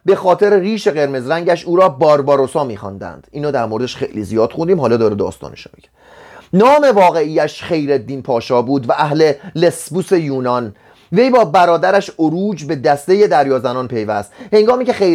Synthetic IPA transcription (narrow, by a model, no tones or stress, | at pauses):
be̞xɒːt̪ʰeɾeriːʃe̞ɣe̞ɾme̞zɾæŋɟæʃuːɾɒːbɒːɾbɒːɾosɒːmiːxɒ̰nd̪æ̰nd̪̥iːnɒːd̪æɾmoɾeeʃxejliːzijɒːd̪̥xund̪iːmɦɒːlɒːd̪ɒːɾed̪ɒ̰ːst̪ɒ̰ːneʃo̰miɟe̥ | nɒːme̞vɒːɣe̞iːjæʃχe̞jɾed̪ːiːnpʰɒːʃɒːbuːd̪væʔæhle̞le̞sbuse̞juːnɒn | ve̞jbɒːbæɾɒːd̪æɾæʃoɾuːd͡ʒbe̞d̪æst̪e̞je̞d̪æɾjɒːzænɒːnpʰe̞jvæst̪he̞ŋɡɒːmiːcexe